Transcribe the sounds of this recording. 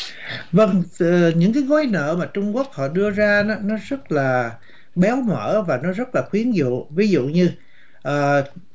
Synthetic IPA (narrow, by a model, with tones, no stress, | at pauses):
və˧ŋː˨˩ɲɨ̰˧˥ŋkaː˨˦jɣɔ˨˦jnə̰ː˧˨maː˨˩t͡ɕʊ˧ŋ͡mku˦˥ək̚hɔ̰˧˨ɗɨ˧əzaː˧nɔ˨˦nɔ˨˦zə˦˥t̚laː˨˩ | ɓɛ˨˦wmə̰ː˧˩vaː˨˩nɔ˨˦zə˦˥t̚laː˨˩xwi˨˦ənzṵ˧˨vi˨˦zṵ˧˨ɲɨ˧ | ʔəː˨˩